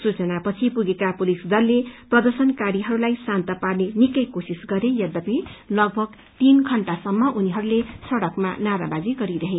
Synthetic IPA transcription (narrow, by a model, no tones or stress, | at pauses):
sut͡sʌnapʌt͡sʰipuɡekapulisd̪ʌlːeprʌd̪ʌrsʌnkaɾiɦʌɾulajsant̪ʌparnenikʌjkosisɡʌɾejad̪ʌpilʌɡ̚bʱʌɡ | t̪inkʰʌɳʈasʌmːʌʔuniɦʌɾulesʌɽʌkma̰naɾa̰bad͡ziɡʌɾiɾʌɦe